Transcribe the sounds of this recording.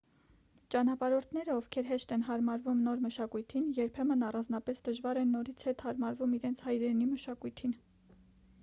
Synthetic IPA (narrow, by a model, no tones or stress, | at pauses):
t͡ʃɑnɑpɑɾɔɾt̪ʰnɛɾəɔvkʰɛɾɦɛʃt̪ɛnɦɑɾmɑɾvumnɔɾməʃɑkujt̪ʰinjɛɾpʰɛmənɑrɑnd͡znɑpɛsd̪əʒvɑɾɛnːɔɾit͡sʰhɛt̪hɑɾmɑɾvumiɾɛnt͡sʰhɑjɾɛniməʃɑkujt̪ʰin